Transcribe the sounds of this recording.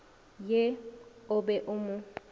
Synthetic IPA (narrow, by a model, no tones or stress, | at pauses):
jeʊbɛʔʊmʊ